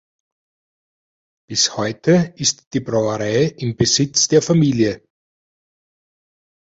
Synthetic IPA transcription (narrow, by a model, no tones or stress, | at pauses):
b̥ɪshɔʏtʰəɪstd̥iːbʁaʊəʁaɪʔɪmbəzɪt͡sd̥eːɐfamiːljə